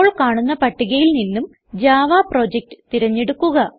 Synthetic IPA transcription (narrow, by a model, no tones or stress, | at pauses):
oːɭkaːɳunːɐpɐʈːiɣɐjilninːum | d͡ʑaːʋaːpro̞ːd͡ʑek̚ʈɨ̥t̪iɾɐɲːe̞ɽukːuɣɐ